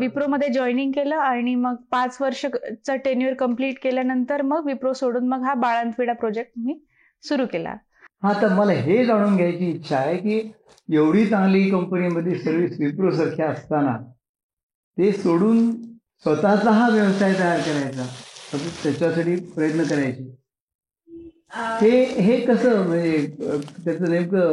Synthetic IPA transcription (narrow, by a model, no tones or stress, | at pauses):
ʋipɾoməd̪ʱːjed͡ʑɔiniŋɡ̚keləːaɽ̃iməɡ̚pat͡sʋəɾʂət͡saʈeniəɾkəmpliːʈkeljanənt̪əɾməɡʋipɾosoɽuːnməɡɦabaɭant̪ʋiɽapɾɔd͡ʑek̚ʈɦi | suɾuːkela̰ | hãt̪əɾməlaɦed͡zaɽ̃uːnɡʱjajt͡ɕiːtːɕʰaɦekiː | jeʋɽ̤iːt͡sãŋɡliːkəmpəniməd̪ʱːjesəɾʋisʋipɾos̬əɾkʰjaəst̪ana̰ | t̪esoɽuːn | sʋət̪at͡saɦaʋjəʋsajt̪əjaɾkəɾajt͡saət̪jat͡ɕasaʈiːpɾəjət̪nəkəɾajt͡ɕiː | heɦekəsəːm̤əɳd͡zet̪jat͡sənemkə